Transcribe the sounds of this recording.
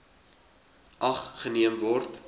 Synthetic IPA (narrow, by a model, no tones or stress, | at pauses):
ʔɐχχəniəmvɔrt